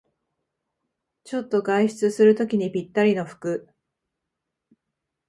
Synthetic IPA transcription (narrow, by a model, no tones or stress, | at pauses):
t͡ɕo̞t̪ːo̞ɡaiɕi̥t͡sɨsɨɾɯ̟t̪o̞kʲiɲ̟ipʲit̪ːaɾʲino̞ɸɯ̟̥kɯ̟